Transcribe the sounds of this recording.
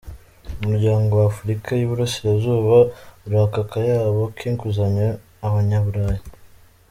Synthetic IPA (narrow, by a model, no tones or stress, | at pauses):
umuɾɟaːŋɡowafuɾikajuβuɾasiɾazuːβauɾakakajaːβo̞kʰiːŋkuzaɲaː | βaɲaβuɾaːja